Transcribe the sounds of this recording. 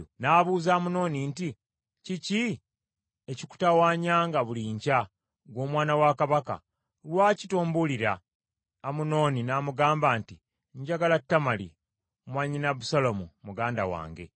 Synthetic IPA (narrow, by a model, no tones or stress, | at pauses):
naːβuːzaːmuno̞ːninti | cici | eciku̥tawaːɲaːŋɡaβuliɲca | ɡwo̞ːmwaːnawakaβaka̰ | lwaːcitoːmbuliɾaː | muno̞ːninaːmuɡaːmbaːnti | ɲɟaɡalatːamalḭ | mwaɲinaβusalomumuɡaːnda̰wa̰ːŋɡe̞̰